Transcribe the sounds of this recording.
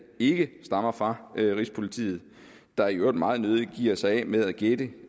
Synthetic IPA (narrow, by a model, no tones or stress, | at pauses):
e̝ɡ̥əsd̥ɑ̈mɐfʁɑ̈ʔʁispʰo̝lit͡sʰḭːð̞̩ˠ | d̥ɑ̈jod̥mɑ̈ːð̞̩ˠnøð̞ˠiɡ̥ḭːɐsɑ̈ɪɛ̰með̞ˠæɡ̥ed̥ə